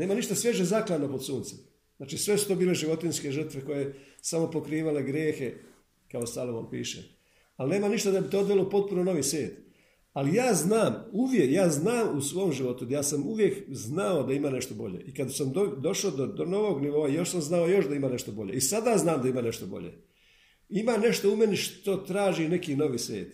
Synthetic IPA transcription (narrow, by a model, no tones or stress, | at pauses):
ne̞ːmaniʃt̪asʋje̞ʒezaklano̞po̞d̪suːnt̪si̥ | znaːt͡ʃisʋe̞su̥t̪o̞ːbiːle̞ʒiʋo̞t̪inske̞ʒər̩t̪ʋe̞ko̞je̞ | samo̞po̞kɾiːʋale̞ɡɾjeːxe̞ | kaost̪alˠoʋo̰mpḭːʃḛ | alne̞ːmaniʃt̪ad̪abit̪ood̪ʋelopo̞t̪̚punono̞ʋisʋʲjeːt̪ | alijaːznaːmuʋjekjaːznaːmusʋoomʒiʋo̞t̪ud̪ajaːsamuʋje̞kznao̞d̪aimaːneʃt̪o̞bo̞̰ʎḛʔikad̪samd̪od̪o̞ʃod̪od̪ono̞ʋo̞ɡniʋo̞ːajoʃsamznaojo̞ʃd̪aimaːne̞ʃt̪o̞bo̞ʎḛisad̪aznaːmd̪aimaːne̞ʃt̪obo̞̰ʎḛ | imaːne̞ʃt̪o̞ume̞niʃt̪o̞t̪ɾaːʒine̞kiːno̞ʋiːsʋʲḛːt̪